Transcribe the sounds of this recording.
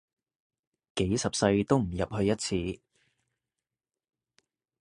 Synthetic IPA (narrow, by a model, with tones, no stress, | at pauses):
ke˨˥jsɐ˨p̚sɐ˧jt̪o˥wm̩˨˩jɐ˨p̚hɵ˧ɥjɐ˥t̚t͡sʰiː˧